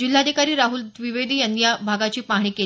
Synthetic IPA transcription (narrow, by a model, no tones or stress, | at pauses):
d͡ʑil̤ːad̪ʱikaɾiːɾaɦuld̪ʋiʋed̪ʱiːjanːijabʱaɡat͡ɕiːpaɦɽ̃iːke